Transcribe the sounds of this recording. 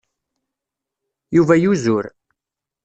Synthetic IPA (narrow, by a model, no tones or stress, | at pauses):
juvæjuzʊɾ